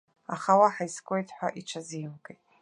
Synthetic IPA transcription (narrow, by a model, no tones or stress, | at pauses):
aχawaħajskʷʼojtʰħʷaʔiʈ͡ʂʰazijmɡʼejtʼ